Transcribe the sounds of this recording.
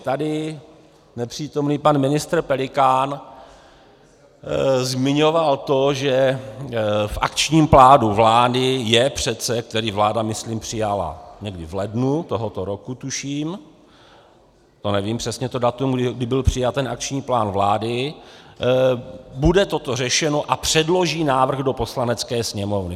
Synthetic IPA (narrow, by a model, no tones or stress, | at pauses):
t̪adɪ | nɛpr̝̥iːt̪o̞mniːpanmɪnɪst̪ɾ̩pɛlɪkaːn | zmɪɲo̞valt̪o̞ʒɛ | fʔa̰kt͡ʃɲiːmplaːnuvlaːdɪjɛpr̝̥ɛt̪t͡sɛk̚t̪ɛɾiːvlaːdamɪsliːmpr̝̥ɪjala̰ɲɛɡdɪvlɛdnut̪o̞ɦo̞t̪oɾo̞kut̪uʃiːm | t̪o̞nɛviːmpr̝̥ɛsɲɛt̪odat̪umɡdɪɡdɪbɪlpr̝̥ɪjat̪ɛnʔak̚t͡ʃɲiːplaːnvlaːdɪ | budɛt̪o̞t̪o̞r̝ɛʃɛno̞ʔapr̝̥ɛdlo̞ʒiːnaːvr̩ɣdo̞po̞slanɛt͡skɛːsɲɛmo̞vnɪ